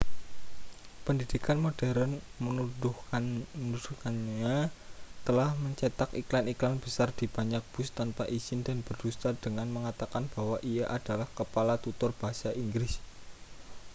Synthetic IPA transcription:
pəndidikanmod̥ɛɾənmənuduanud̥ukanɲat̪əlahməɲt͡ʃɛt̪akiklaniklanb̥əsard̪̥ib̥a̤ɲak̚b̥ʊst̪anpaʔiz̥ɪndanb̥ərd̥ust̪ad̥əŋanməŋat̪akanb̥awaʔijaʔad̥alahkəpalat̪ut̪ʊrb̥aɦasaʔiŋɡɾɪs

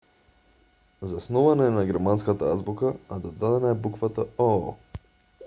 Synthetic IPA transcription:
zasnɔvanaɛnaɡɛɾmanskat̪aazbukaːd̪ɔd̪ad̪ɛnaɛbukvat̪aɔ

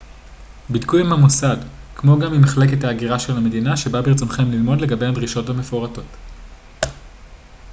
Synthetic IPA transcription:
bidkujimhamosadkmo̞ɡamimaχle̞k̬e̞thaːɡiʁaʃelame̞dinaʃe̞babiʁt͡so̞nχe̞mlilmo̞dle̞ɡabejhadʁiʃo̞tveme̞fo̞ʁato̞t

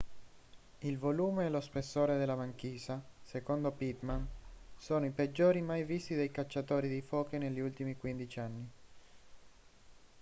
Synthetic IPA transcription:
ilvoluːmeːlospesːoːɾed̪elamaŋk̟iːzasekond̪opit̪mansoːnoiped͡ʒːoːɾimajvist̪id̪ejkat͡ʃːat̪oːɾid̪ifoːkenelːiult̪imikwind̪it͡ʃianːi

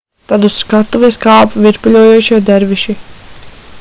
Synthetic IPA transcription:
t̪ad̪uskat̪uvɛskaːpuvʲiɾpulʲuɔjuːt͡ʃiɔd̪ɛɾviʃi

